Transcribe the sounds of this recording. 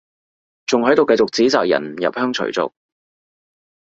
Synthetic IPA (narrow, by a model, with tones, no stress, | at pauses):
t͡sʊ˨ŋɦɵ˨˥t̪o˨wkɐ˧jt͡sʊ˨k̚t͡siː˨˥t͡saː˨k̚jɐ̰˨˩n˨˩jɐ̰˨p̚hœː˥ŋt͡ʃʰɵ̰˨˩t͡sʊ̰˨k̚